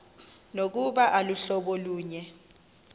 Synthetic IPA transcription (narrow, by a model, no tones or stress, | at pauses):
nok̬uɓaʔaluɬɔɓɔluːɲɛ